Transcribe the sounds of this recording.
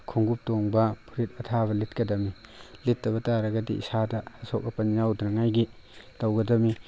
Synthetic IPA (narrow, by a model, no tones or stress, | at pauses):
kʰuŋɡup̚toŋbɐpʰuɾit̚ɐtʰaβɐlit̚kɐdɐmilitːɐβɐtaɾɐɡɐdḭʔḭsadɐhɐsok̚ːɐpɐnjawdɾɐŋajɡi | tɐwɡɐdɐmi